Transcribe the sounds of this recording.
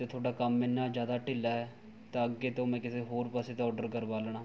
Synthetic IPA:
t̪eːt̪ʰoːɽaːkəmːenːaːd͡ʒjaːd̪aːʈɪlːaːɛː | t̪ãəɡːeːt̪õːmɛ̃ːkɪseːɦoːɾpaseːt̪ːɔːɖəɾkəɾʋaːlɳãː

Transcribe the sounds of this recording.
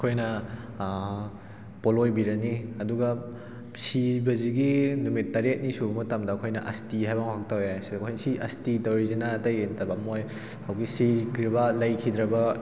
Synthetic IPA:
ɐkʰojnɐ | polojbiɾɐniɐduɡɐ | sibɐziɡinumit̚ːɐɾet̚nisumutɐmdɐːkʰojnɐ̰ʔɐ̰stiɦajbaŋahʰak̚tawjaskʰojnɐsiʔɐstitɐwɾizinatɐjentɐbɐmoj | hawɡisikʰɾibɐlɐjkʰid̪ɾɐbɐ

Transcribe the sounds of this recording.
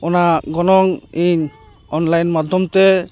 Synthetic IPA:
ɔnaɡɔnɔŋiɲ | ɔnlajnmad̪ʱɔmt̪ɛ

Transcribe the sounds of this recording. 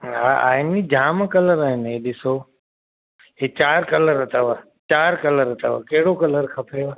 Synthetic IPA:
aa̰ːɪnid͡ʒʱaːmkələɾaːɦɪnɦeɗɪso | ɦiːt͡ʃaːɾkələɾət̪ʰaʋa | t͡ʃaːɾkələɾət̪ʰaʋa̰kəɦɪɽokələɾkʰəpʰeʋa

